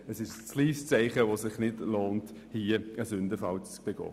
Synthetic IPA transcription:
əsɪʃt͡sliːst͡sæɪχəʋosɪχnɪdloːnt | hiːəəsʉndəfɑlt͡sb̥eɡ̥ɔ̰ː

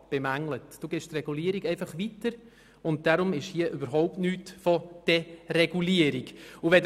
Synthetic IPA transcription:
b̥emæŋlətd̥uːɡɛːʃtrɛɡ̥uliəɾiɡɛɪfɑχʋitəɾ | ʊnt̚d̥aɾʊmɪʃhiəʔʏbəɾɦɔʊp̚tnyːtfɔd̥ɛrɛɡ̥uliəɾikʊʋɛd

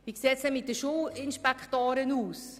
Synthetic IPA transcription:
ʋiːkseːtsɛmɪt̚dəʃuːɪnʃpɛkχtoːɾənuːs

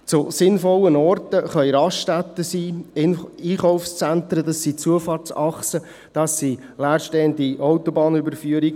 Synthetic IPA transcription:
t͡sʊsɪnfɔlːənɔrt̪əχœʏɾɑʃtæt̪ːəsiː | iːχɔʊfst͡sænt̪ɾədɑsit͡suəfɑːrt͡sɑχsə | d̥ɑsːi | læːɾʃteːəndiʔɔwtobɑːnʏbəɾfyəɾiɡ

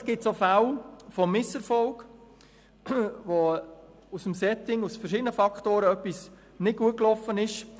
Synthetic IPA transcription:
sɡ̥ɪt̪sofawfɔmɪsɛɾfɔlk | ʋo | usəmsɛtɪŋusfɛrʃidənəfɑktoːɾəœpːis | nɪt̚ɡ̥uət̚klɔfənɪʃ

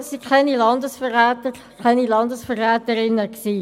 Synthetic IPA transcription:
sikʰχɛnilɑndəsfərʁɛːtəɾ | kʰɛnilɑndəsfərːɛːtəɾɪnːəksiː

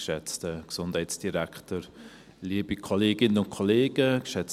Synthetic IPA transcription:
ʃɛt͡stəksʊnd̥hɛɪtsd̥iɾaktəɾ | liəbikʰoleːɡɪnənʊnkʰoleːɡ̥əkʃɛt͡s

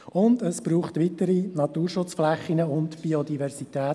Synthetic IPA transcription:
ʊndəsb̥ɾuːχtʋitəɾinɑtuːɾʃʊt͡sflɛχːinəʊntb̥iodivɛɾsitɛː

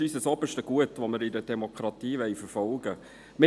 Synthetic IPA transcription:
yːsəsoːbəʃtəɡ̥uətʋoməɾɪdədɛmokʰɾɑtiːʋɛɪfəɾfɔlɡ̥ə | mɪ

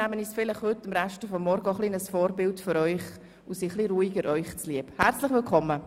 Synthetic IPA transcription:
æmənisfɪlɪχhʏtːɪmɾæʃtəfɔmːɔɾɡəɔχlinəsfɔːɾbɪltføɾœʏχ | usiχliɾuːiɡəɾʔœʏχt͡sliəbhɛɾt͡slɪχʋɪlkʰɔmːə

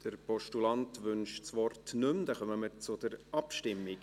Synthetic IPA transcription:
d̥əɾpɔʃtulɑnt̪ʋʏnʃt͡sʋɔrtnʏmd̥ɛχœməməɾt͡sʊd̥̪əɾʔɑpʃtɪmːiɡ

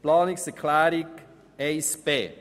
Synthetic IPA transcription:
plɑːniksəkʰlaɾik | espeː

